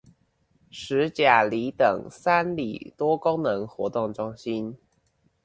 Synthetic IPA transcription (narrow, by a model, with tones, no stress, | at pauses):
ʂɻ̩˧˥t͡ɕja˨˩li˨˥˦t̪ɤ˨˩ŋsa˥nlḭ˨˩t̪wɔ˥kʊ˥ŋnə˧˥ŋxwɔ˧˥t̪ʊ˥˩ŋʈ͡ʂʊ˥ŋɕi˦˥n